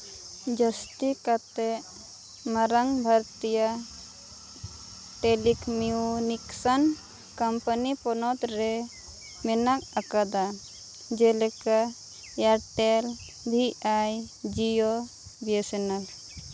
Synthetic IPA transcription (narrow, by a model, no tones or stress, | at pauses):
d͡ʒəst̪ikat̪ɛʔ | maɾaŋbʱaɾt̪ija | ʈelikmiuniksan | kəmpənipɔnɔt̪ɾɛ | mɛnak̚akad̪a | d͡ʒɛlɛka | jaɾʈel | bʱiajd͡ʒio | biesenal